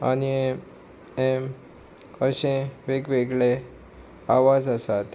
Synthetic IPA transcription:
a̰ni | em | əʃẽʋeɡʋeɡɭe | aʋad͡zəsat̪

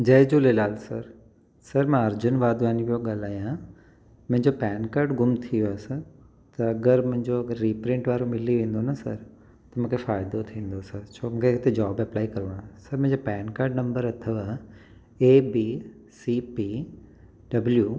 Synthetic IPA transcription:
d͡ʑɐːd͡ʑuːlelaːlsɐɾ | sɐɾmãɐɾd͡ʑʊnʋaːd̪aːniʋijoɠaːlaːjã | mʊ̃ɦɪ̃ɲd͡ʑopɛːnkaːɾɖɡʊmt̪ʰijjoaːsɐ | t̪ɐɐɡəɾmʊ̃ɦɪ̃ɲd͡ʑoɐɡəɾːiːpɾɪ̃ɳʈʋaːɾomɪliʋẽːn̆d̪onɐsɐ̰ɾ | t̪ɐmũːkʰefaːɪd̪ot̪ʰĩːn̆d̪osɐɾt͡ɕʰoːmũːkʰeɪt̪ed͡ʑaːbɐplaːikɐɾʋãsɐɾmʊ̃ɦɪ̃ɲd͡ʑopɛːnkaːɾɖnɐ̃mbəɾɐt̪ʰəʋa | eːbiː | siːpiː | ɖɐbljuː

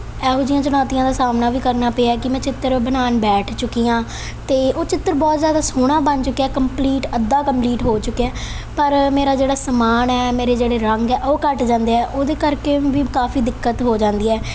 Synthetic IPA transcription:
ɛːɦod͡ʒɪjãːt͡ʃənɔːt̪ijãːd̪aːsaːmnaːʋiːkəɾnaːpeːaɛːkɪmɛ̃ːt͡ʃɪt̪ːəɾbənaːnbɛːʈʰt͡ʃʊkːiːjãː | t̪eːʔoːt͡ʃɪt̪ːəɾbɔːt̪zjaːd̪aːsoːɽ̃ãːbənt͡ʃʊkːeɛːkəmpliːʈəd̪ːaːkəmpliːʈɦoːt͡ʃʊkːeɛː | pəɾmeːɾaːd͡ʒeːɽaːsəmaːnɛːmeːɾeːd͡ʒeːɽeːɾəŋɡɛːʔoːkəʈd͡ʒãːnd̪eːɛːʔoːd̪eːkəɾkeːʋiːkaːfʰiːd̪ɪkːət̪ɦoːd͡ʒãːnd̪iːɛː

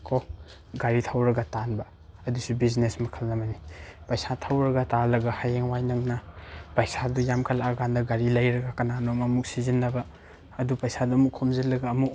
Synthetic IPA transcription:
kʰo | ɡaɾitʰawɾɐɡatanbɐ | ɐdusubiznesmɐkʰɐlːɐmɐnipɐjsatʰawɾɐɡatalɐɡahajeŋwajnɐŋnɐpɐjsadujamkʰɐlaaɡandɐɡaɾilɐjɾɐɡakɐnanomɐmuk̚sizinːɐbɐː | dupɐjsaduɐmukʰomzilːɐɡaːmuk

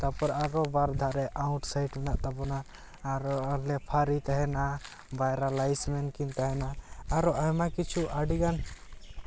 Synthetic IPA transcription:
t̪apɔɾaɾɔbaɾd̪ʱaɾɛʔaʊ̃ʈsajʈmɛnaʔt̪apɔnaː | ɾɔlɛpʰaɾit̪aɦɛna | bajɾalajsmɛnkint̪aɦɛnaːɾɔʔaɦɛmakit͡ʃʰuʔaɖiɡan

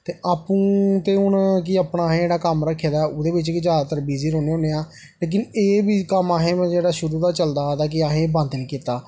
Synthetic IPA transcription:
t̪eːʔaːpũːt̪eːʊnk̬iəpɳaːɦẽːeːɽaːkəmɾəkʰːeːd̪aːɛʊd̪eːbɪt͡ʃkɪd͡ʒaːd̪at̪əɾbiːziːɾõːneːɦõːneːaː | leːk̬ɪneːbiːkəmaːɦẽːmɛ̃ːd͡ʒeːɽaːʃʊɾuːd̪aːt͡ʃəld̪aːd̪aːk̬ɪaːɦẽːbə̃nd̪nĩːkiːt̪aː

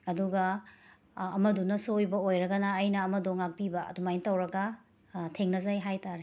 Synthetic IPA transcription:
ɐduɡɐː | mɐdunɐsojbɐojɾɐɡɐnɐːjnɐːmɐdoŋak̚pibɐɐ̰dumajntɐwɾɐɡɐ | tʰeŋnɐzajɦajtaɾe

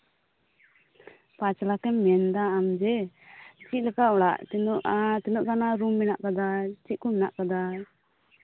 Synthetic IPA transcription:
pat͡ʃlakɛmːɛnd̪aːmd͡ʒɛ | t͡ʃiʔ̪̚ˀlɛkaʔɔɽa̰ʔt̪ɛnɔʔat̪ɛnɔʔt̪anaɾumːɛnaʔkad̪at͡ʃiʔ̪̚kɔmɛnaʔkad̪a

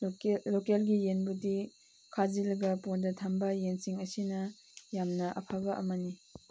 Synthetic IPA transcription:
lokelɡijenbudi | kʰazilɐɡɐpondɐtʰambɐjensiŋɐsinɐ | jamnɐʔɐ̰pʰabɐʔɐ̰mɐni

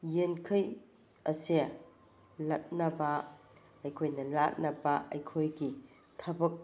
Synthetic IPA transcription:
jenkʰɐj | ɐseɐ | lɐt̚nɐbɐ | ɐjkʰojnɐlat̚nɐbɐʔɐjkʰojɡi | tʰɐbɐk̚

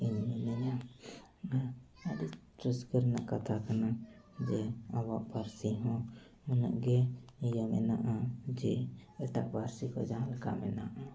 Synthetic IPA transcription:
iɲmɛnɛɲa | aditɾəskəɾna̰ʔkat̪ʰakana | d͡ʒɛabaʔbaɾsiɦɔ̃ | muna̰ʔɡɛijamɛ̰naʔad͡ʒɛɛʈaʔ̚baɾsikɔ̰d͡ʒaɦlka̰mɛ̰na̰ʔa

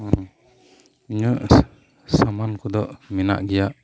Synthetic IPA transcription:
iɲəʔ | samankud̪ɔʔmina̰ʔɡijaʔ

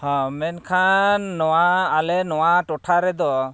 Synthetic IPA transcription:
hɔ̃mɛnkʰanːɔwaalɛnɔwaʈɔʈʰaɾɛd̪ɔ

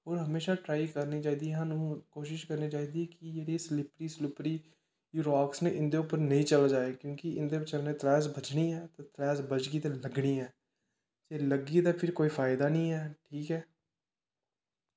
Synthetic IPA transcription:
ɦoːɾɦəmeːʃaːʈɾaːikəɾniːt͡ʃaːiːd̪iːɦãːnũːkoːʃɪʃkəɾniːt͡ʃaːiːd̪iɛːkijeɾiːslɪpɾiːslɪpɾiː | juːɾaːksneːʔɪnd̪eːʊpːəɾnəĩːt͡ʃəlad͡ʒaːeːkjõːkiɪnd̪eːbət͡ʃəɾnẽːt̪ɾɛːsbət͡ʃɽiːɛːt̪eːt̪ɾɛːzbət͡ʃɡiːt̪ẽləɡɽiːɛː | d͡ʒeːləɡiːt̪aːpʰɪɾkoːiːpʰaːɪd̪aːnĩːɛːʈʰiːkɛː

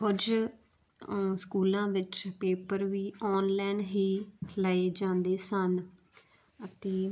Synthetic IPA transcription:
ɦʊd͡ʒ | skuːlãːʋɪt͡ʃpeːpəɾʋiːɔːnlɛːnɦiːləeːd͡ʒãːnd̪eːsən | ət̪eː

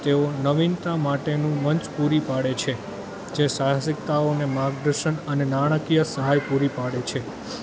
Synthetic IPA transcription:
t̪eonəʋint̪amaʈenũməɲt͡ʃpuɾipaɽet͡ʃʰe | d͡ʒeʃasɪk̚t̪aonemaɡd̪əɾʃəɳənenaɽ̃əkijəsəɦajpuɾipaɽet͡ʃʰe

